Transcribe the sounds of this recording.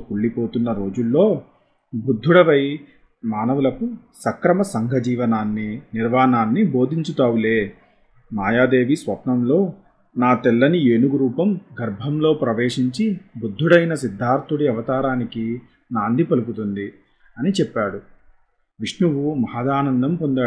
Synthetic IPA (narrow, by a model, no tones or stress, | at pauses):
uɭːipo̞ːt̪unːɐɾo̞ːd͡ʒulːo̞ː | bud̪ʱːuɽɐʋɐj | maːnɐʋulɐku | sɐkɾɐmɐsɐŋɡʱɐd͡ʒiːʋɐnaːnːiniɾʋaːnaːnːibo̞ːd̪ʱiɲt͡ʃut̪aːʋule̞ː | maːjaːd̪e̞ːʋisʋɐpɳɐmlo̞ː | naːt̪ɛlːɐnieːnuɡɾuːpɐmɡɐɾbʱɐmlo̞ːpɾɐʋeːʂiɲt͡ʃibud̪ʱːuɽɐjnɐsid̪ʱːaːɾt̪uɽiɐʋɐt̪aːɾaːniki | naːnd̪ʱipɐlup̬ut̪und̪i | ɐnit͡ʃɛpːaːɽu | ʋiʂɳuʋumɐɦaːd̪aːnɐnd̪ɐmpond̪aː